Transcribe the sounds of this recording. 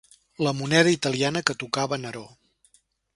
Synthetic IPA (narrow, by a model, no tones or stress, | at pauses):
ləmunɛð̞əit̪əlˠianəkət̪ukaβənəɾo